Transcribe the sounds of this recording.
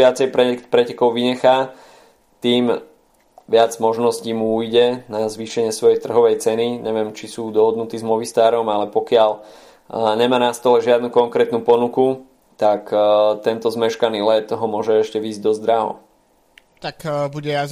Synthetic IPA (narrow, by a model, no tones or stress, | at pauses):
ɪat͡sɛjpɾɛkpɾɛcɛkɔʊʋiɲɛxaː | t̪iːm | ʋɪad͡zmɔʒnɔsciːmuuːjɟɛnazʋiːʃɛɲɪɛsʋɔjɛt̪r̩ɦɔʋɛjt͡sɛniɲʔɛʋɪɛmt͡ʃisuːd̪ɔɦɔd̪nut̪iːzmɔʋist̪aːɾɔmalɛpɔkɪal | ɲɛmaːnast̪ɔlɛʒɪad̪nukɔŋkɾɛːt̪nupɔnuku | t̪akt̪ɛnt̪ɔzmɛʃkaniːlɛt̪ɦɔmʊɔʒɛɛʃcɛʋiːzɟd̪ɔzd̪ɾaɦɔ̰ | t̪akbuɟɛa